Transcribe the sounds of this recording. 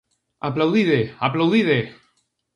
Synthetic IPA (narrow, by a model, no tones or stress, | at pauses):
aplawðiðeaplawðiðe